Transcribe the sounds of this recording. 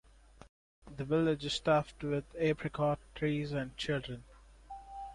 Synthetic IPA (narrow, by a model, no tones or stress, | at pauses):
d̪əʋɪlɪd͡ʒsʈafʈwɪd̪eːpʰɾɪkʰɔʈʰɾiːzæ̃ɳɖ̚t͡ʃɪlɖɾə̃n